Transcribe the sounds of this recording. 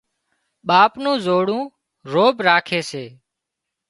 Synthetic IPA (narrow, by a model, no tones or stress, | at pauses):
ɓaːpnũːzoːɽũː | ɾoːbɾaːkʰeːseː